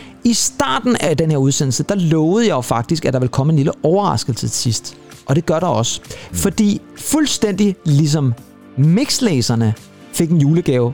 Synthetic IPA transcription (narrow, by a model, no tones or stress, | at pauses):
isd̥ɑ̰̈ːd̥n̩æd̥enheɐuð̞ˠsen̰l̩səd̥ɑ̈lɔ̽ːʊð̩ˠjɑ̈jofɑ̈ɡ̥̚d̥isɡ̥æd̥ɑ̈ʋe̝lkʰɒ̽məe̝nliləʔɒʊɐʁɑ̈sɡ̥əl̩sət͡sʰe̝sisd̥ | ʔɒ̽d̥e̝ɡ̥ɶɐɾɑɒ̽sfɒ̽d̥ḭː | fulsd̥en̰d̥ilis̬ɒ̽m | me̝ɡ̥sleːsɐnə | fe̝ɡ̥e̝njuːləɡ̥ɛːʊ